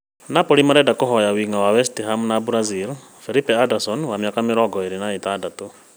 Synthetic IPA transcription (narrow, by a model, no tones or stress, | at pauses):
napɔɾimaɾɛdakɔɦɔjawiŋawawɛstiɦamnabuɾazil | fɛlipɛadasɔnwamjakamɪɾɔɡɔeɾenaet̪adatu